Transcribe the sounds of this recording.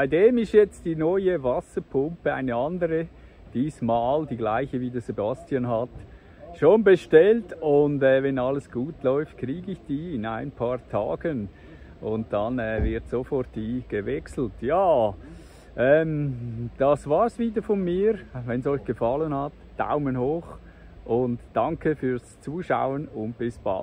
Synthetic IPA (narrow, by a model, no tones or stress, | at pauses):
b̥aɪdeːmɪʃtjɛt͡std̥iːnɔʏəvasəpʰʊmpəa̰ɪnəɑndəɾə | d̥iːsmaːldiːɡlaɪçəviːdesebastjanɦat | ʃoːnbəʃtɛltʊndɛːvɛnɑləsɡ̥uːtlɔʏft̚kriːɡəɪçd̥iːɪnaɪnpʰɑːɾtʰa̰ːɡ̥ən | ʔʊnt̚d̥ɑnɛːvɪɾtsofɔɾt̚d̥iːɡ̥əvɛksl̩tjaː | ʔɛmd̥ɑsvaːɾsviːdəfɔnmiːɾvɛnsɔʏçɡ̥əfɑlənhɑt | d̥a̰ʊmənhoːx | ʔʊntd̥ɑŋkʰəfyːɐst͡suːʃa̰ʊənʊnt̚b̥ɪsb̥a̰